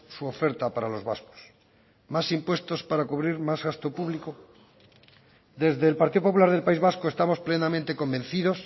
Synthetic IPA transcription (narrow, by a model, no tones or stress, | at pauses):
suo̞fe̞ɾt̪apaɾalo̞zβa̰sko̥s | masimpwe̞st̪o̞spaɾakuβɾiɾmazɣast̪o̞puβliko | d̪e̞zðe̞ːlpaɾt̪iðopop̬ulaɾðelpaizβaskoest̪amo̞splenamẽnt̪eko̞mbẽ̞nθiðo̞s